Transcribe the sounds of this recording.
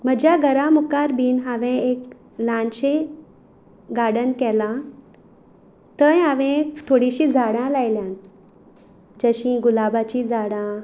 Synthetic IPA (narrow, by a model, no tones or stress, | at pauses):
m̤əd͡ʑjaɡəɾamukaɾbiːnɦaʋẽek | lãnɕe | ɡaɽənkɛlã | t̪əjaʋẽt̪ʰoɽiɕĩd͡zʱaɽãlajljãn | d͡ʑəɕĩɡulabat͡ɕid͡zaɽã